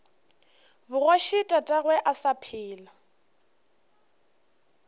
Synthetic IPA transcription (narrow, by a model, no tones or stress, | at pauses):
bʊɣwaʃɪtʼatʼaɣwɛʔasapʰɪːla